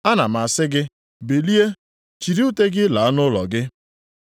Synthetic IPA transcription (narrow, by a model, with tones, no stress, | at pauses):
a˦na˨m̩a˨sɪ˦ɡɪ˦ | be˨li˦e˦ | t͡ʃi˨ɾi˦u˦te˦ɡɪ˦la˨a˦nʊ˦lɔ˨ɡɪ˦